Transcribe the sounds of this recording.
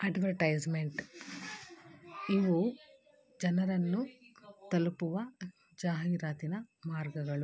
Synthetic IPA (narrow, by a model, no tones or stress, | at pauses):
ɐɖʋɐɾʈɐjd͡ʒmeɳʈ | iʋu | d͡ʒɐnɐɾɐnːut̪ɐlupuʋɐ | d͡ʒaːɦiːɾaːt̪inɐmaːɾɡɐɡɐɭu